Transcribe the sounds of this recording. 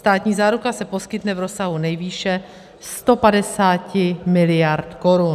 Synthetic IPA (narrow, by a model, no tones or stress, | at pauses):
st̪aːt̪ɲiːzaːɾukasɛpo̞skɪt̪nɛvɾo̞saɦunɛjviːʃɛ | st̪o̞padɛsaːcɪmɪlɪjaɾt̪ko̞ɾun